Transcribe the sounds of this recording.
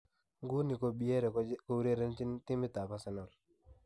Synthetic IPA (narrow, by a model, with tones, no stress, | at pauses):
ŋɡu˦ni˨ko˦bi˦e˦ɾɛ˨ko˦wu˦ɾe˦ɾe˦nt͡ʃɪ˦ntɪ˦mɪ˦ta˨pa˦sɛ˨nɔ˨l